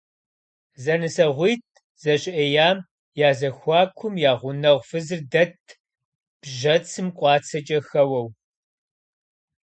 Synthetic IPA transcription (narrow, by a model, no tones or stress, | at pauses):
zɐnɨsɐʁʷiːt̚ʰ | z̥ɐɕʼɪʔɐjaːm | jaːzɐxʷɑːkʷʰʊmjaːʁʷʊnɐʁʷfɨzɨrdɐt̚ʰ | b̥ʒɐt͡sʰɨmqʷʼɑːt͡sʰɐt͡ʃʼɐxɐwɐw